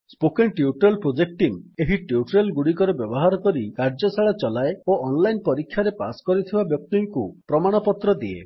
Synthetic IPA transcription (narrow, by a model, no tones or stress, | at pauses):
spokenʈiuʈɾelpɾod͡ʒek̚ʈimeɦiʈiuʈɾelɡuɽikɔɾebjɔbɔɦaɾɔkɔɾikaɾd͡ʒɔsaɭat͡ʃɔlaeoʔɔnlajnpɔɾikʰːjaɾepa̰skɔɾit̪ʰibabjɔk̚t̪iŋkupɾɔmaɽ̃ɔpɔt̪ɾɔd̪iḛ